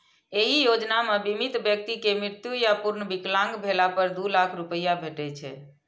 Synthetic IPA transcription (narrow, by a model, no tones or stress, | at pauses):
eɦijod͡ʒnamebimit̪bjək̚t̪ikemɾiɾt̪jujapuɾnəbiklãŋɡbʱelapəɾd̪ulakʰɾupəjabʱeʈɛt͡ʃʰɛ̰